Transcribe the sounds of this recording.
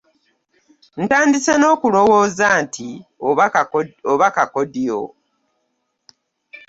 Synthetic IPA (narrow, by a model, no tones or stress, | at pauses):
n̩taːndisano̞ːkulo̞wo̞ːzaːntʰi | oβakakodijo̰